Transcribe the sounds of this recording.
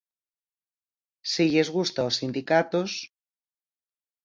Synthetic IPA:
siʝezɣust̪aosind̪ikat̪os

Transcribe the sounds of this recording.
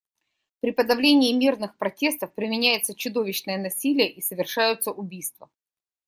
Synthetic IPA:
pɾʲɪpəd̪ɐvlʲenʲɪːmʲirnɨxpɾɐtʲe̞st̪əfpɾʲɪmʲɪnʲæjɪt̪sət͡ɕʊd̪ovʲɪɕnəjənɐsʲilʲɪjəʔisəvʲɪrʂajʊt̪səʔʊbʲijst̪və

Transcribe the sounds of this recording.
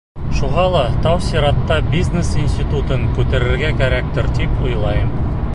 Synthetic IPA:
ʃuʁɑlˠɑt̪ɑwsʲiɾɑt̪ːɑbʲiznesinʲsʲt̪ʲit̪ut̪ɤŋkʉt̪æɾɘ̆ɾɡækæɾæk̚t̪ɘɾt̪ipujlˠɑjɤm

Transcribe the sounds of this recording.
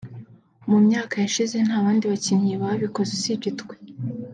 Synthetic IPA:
mumɲaːkajaʃize̞n̥aːβaːndiβacinhiβaaβiko̞zesibɟitkwe

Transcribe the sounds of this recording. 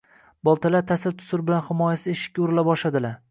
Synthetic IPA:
bɒlˠt̪ʰalat̪ʰasɪɾt̪ʰʊ̥sʊɾbɪlanhɪmɒjasɪɪʃɪ̥kʲːaʊɾɪlabɒʃlad̪ɪlaɾ

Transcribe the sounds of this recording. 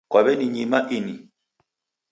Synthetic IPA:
kwaβɛniɲimaʔini

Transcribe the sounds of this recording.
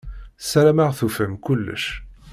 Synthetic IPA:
sæɾæmaʁθufəmkʊlːə̰ʃ

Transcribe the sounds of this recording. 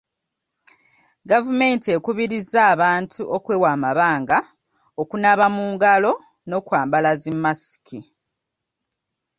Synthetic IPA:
ɡavume̞ːntie̞kuβiɾizːaːβaːntʰuʔokwe̞ːwaːmaβaːŋɡa | okunaβamuːŋɡalo̞ | no̞kwaːmbalazimːasi̥ki

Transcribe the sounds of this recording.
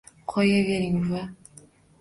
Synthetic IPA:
qʰɒjaveɾɪŋva

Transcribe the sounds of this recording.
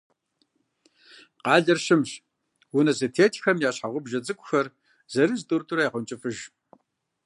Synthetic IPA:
qɑːɮɐrɕɪmɕ | wʊnɐzɨtʰeːtʰxɐmjaːɕħaʁʷʊbʒɐt͡sʼɨkʷʼʊxɐr | zɐɾɨztʼurtʼʊɾɐjaʁʷʊnt͡ʃʼɪfɨʒ

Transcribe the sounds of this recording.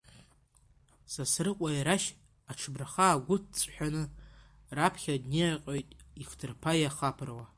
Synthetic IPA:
sasrɨqʷʼajiɾaʃ | aʈ͡ʂʰbraχaːɡʷʊt̚ʰt͡sʼħʷᶣanɨ | rapʰχʲadniaqʼojtʼiχtʰɨrpʰajaχapʰrwa

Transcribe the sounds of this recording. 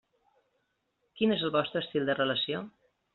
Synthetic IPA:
kinezəlˠβɔst̪ɾəːst̪ilˠd̪ərələsio

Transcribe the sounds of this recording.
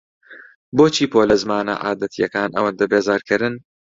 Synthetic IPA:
boːt͡ʃʰiːpʰoːlɐzmaːnɐ̰ʔaːd̪ɐt̪ʰijɐkaːnʔɐwɐnd̪ɐbeːzaːɾkʰɨɾɨn

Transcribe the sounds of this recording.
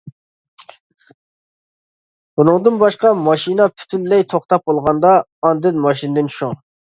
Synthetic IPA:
bunɨŋd̪ɨnbɑʃqɑmɑʃinɑpʰy̥t̪ʰynːɛjt̪ʰoχt̪ɑp̚bolˠʁɑnd̪ɑːnd̪ɨnmɑʃinɨd̪ɪnt͡ʃʰʃuŋ

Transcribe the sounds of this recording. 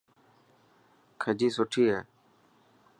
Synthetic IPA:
kʰəd͡ʒiːsʊʈʰiːɦɛː

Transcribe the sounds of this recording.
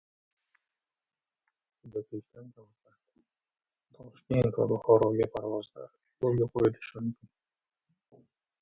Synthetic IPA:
ʊd̪akʰʲet͡ʃt̪ank̪awd̪a | t̪ʰɒʃkʲe̞nt̪va̰bʊχɒɾɒɡʲapʰaɾvɒzd̪a̰ | jolˠɡʲaqʰojɪd̪ɪʃɪmʊmkʲɪn

